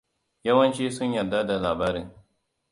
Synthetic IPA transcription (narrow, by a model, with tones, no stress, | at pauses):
jɐ˦wɐ˦nt͡ʃiː˦sʊ˦ɲjɐ˨dːa˦da˨laː˨baː˦ɾɪ˦ŋ